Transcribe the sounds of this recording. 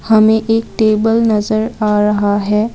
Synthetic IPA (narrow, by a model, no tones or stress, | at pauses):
hɐmẽʔeːk̚ʈeːbəlnɐzəɾaːɾɐɦaɦɛː